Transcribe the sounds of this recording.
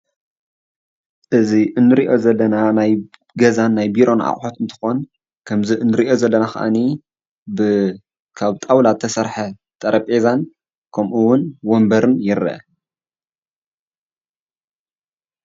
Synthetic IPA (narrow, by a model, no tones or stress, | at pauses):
ʔɨziʔɨnːɨɾiʔo̞zɐlːɐnanaj | ɡɐzanːajbiɾo̞nʕa̰χʼħot̪ɨnt̪ʰɨ̥xo̞n | kʰɐmziʔɨnːɨɾiʔo̞zɐlːɐnaxɐ̰ʔa̰ni | bɨ | kʰaβt̪ʼawlat̪ʰːɐsɐɾħɐ | t̪ʼɐɾɐpʼezan | kʰɐmʔuwʊnwombɐɾɨnjɪɾɨɐ